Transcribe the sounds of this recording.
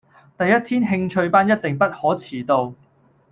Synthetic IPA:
t̪ɐ˨jːɐ˥t̪̚ʰiː˥nɦɪ˧ŋt͡ʃʰɵ˧ɥpaː˥njɐ˥t̚t̪ɪ˨ŋpɐ˥t̚hɔː˨˥t͡sʰiː˨˩t̪o˧w

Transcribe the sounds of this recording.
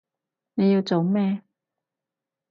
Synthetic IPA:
ne˨˧ji˧wt͡so˨wmɛː˥˧

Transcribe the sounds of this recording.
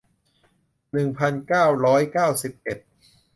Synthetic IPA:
nɯ˨˩ŋpʰa˧nkaː˥˩wɾɔː˦˥jkaː˥˩wsi˨˩p̚ʔe˨˩t̪̚

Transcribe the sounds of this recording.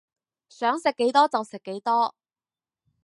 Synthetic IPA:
sœː˨˥ŋsɪ˨kːe˨˥jt̪ɔː˥t͡sɐ˨wsɪ˨kːe˨˥jt̪ɔː˥

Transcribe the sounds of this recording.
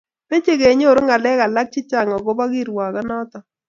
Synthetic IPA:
pe˦t͡ʃe˦ɡe˨ɲ˦o˦˨ɾo˦ŋa˨lɛ˦ka˨la˦k̚t͡ʃɪ˦t͡ʃa˨ŋɔ˨ɡo˦ba˦ɡi˦ɾwa˨ɡa˦nɔ˦t̪ɔ˨

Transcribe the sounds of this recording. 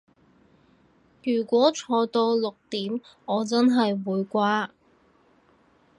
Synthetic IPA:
jyː˨˩kʷɔː˨˥t͡ʃʰɔː˧t̪o˧wlʊ˨k̚t̪iː˨˥m | ɔː˨˧t͡sɐ˥nɦɐ˨jwuː˨˧jkʷaː˥

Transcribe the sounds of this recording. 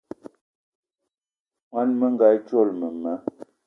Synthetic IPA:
mwa˦nmə˦ŋ˦ɡa˨˦jt͡ʃo˦˨lmə˨mə˦

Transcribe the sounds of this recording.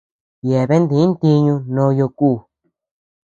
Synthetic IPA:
je˨βe˦nd̪ĩ˧˨˦nt̪i˧ɲũ˧nõ˧˦˧jo˧kuː˦˨

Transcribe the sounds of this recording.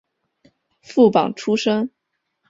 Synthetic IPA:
fu˥˩pɑ̰˨˩ŋʈ͡ʂʰu˥ʂɤ˥ŋ

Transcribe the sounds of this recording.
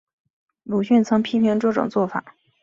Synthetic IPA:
lu˨˩ɕy˥˩nt͡sʰɤ˧˥ŋpʰi˥pʰi˧˥ŋʈ͡ʂɤ˥˩ʈ͡ʂʊ̰˨˩ŋt͡swɔ˥˩fa̰˨˩˦

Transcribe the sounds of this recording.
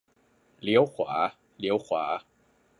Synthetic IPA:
li˦˥əwkʰwaː˩˦ | li˦˥əwkʰwaː˩˦

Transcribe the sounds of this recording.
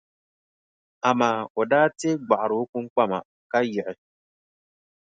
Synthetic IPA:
a˨maː˨˦˨o˨daː˦te˦ɡ͡ba˨ʔa˨ɾo˨˦ku˦ŋ˦k͡pa˦ma̰˨ | ka˦jɪ˨ʔɪ˨

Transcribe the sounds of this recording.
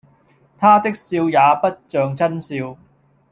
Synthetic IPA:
t̪ʰaː˥t̪ɪ˥k̚siː˧wjaː˨˧pɐ˥t̚t͡ʃœː˧ŋt͡sɐ˥nsiː˧w

